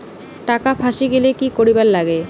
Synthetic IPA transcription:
ʈakapʰaʃiɡelekikoɾiballaɡe

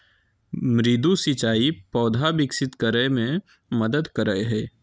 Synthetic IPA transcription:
mɾɪd̪usɪt͡ʃaːipɔːd̪ʱabɪksɪt̪kəɾəemẽ | məd̪əd̪kəɾəeɦɛː

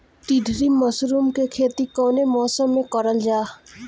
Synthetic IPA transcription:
t̪id̪ʱɾiməsɾuːmkekʰeːt̪ikɔːnemɔːsəmːẽkəɾəld͡ʒaː

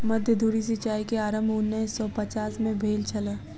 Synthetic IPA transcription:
mɐd̪ʱjəd̪ʱuːɾis̬ɪt͡ʃaːikeaːɾəmbʱʊnːəsɔpɐt͡ʃaːsmẽbʱeːlt͡ʃʰɐlə

